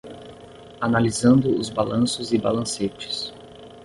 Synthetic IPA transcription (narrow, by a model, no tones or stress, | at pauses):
analizɐ̃nd̪ʊʊzbalɐ̃sʊzɪbalɐ̃set͡ʃɪ̥s